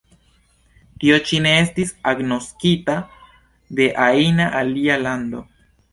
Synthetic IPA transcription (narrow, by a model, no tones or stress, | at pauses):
tio̞t͡ʃine̞estisaɡno̞skita | d̪e̞ʔainaʔalialand̪o̞